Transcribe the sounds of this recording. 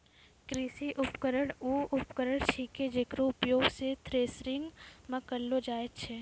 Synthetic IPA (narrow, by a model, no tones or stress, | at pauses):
kɾiːsiʔʊpkəɾəɽuːʔʊpkəɾəɽ̃t͡ʃʰiked͡ʒekɾoʊpjoːɡset̪ʰɾeːsɾɪŋɡmɐkəlːod͡ʒaːet̪t͡ʃʰeː